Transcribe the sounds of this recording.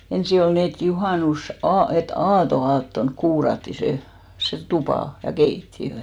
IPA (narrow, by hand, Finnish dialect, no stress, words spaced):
ensi ol niː et juhɑˑnusɑː et ɑːtoɑːtːonk kuːrɑtːi se se tupɑˑ jɑ keitːiø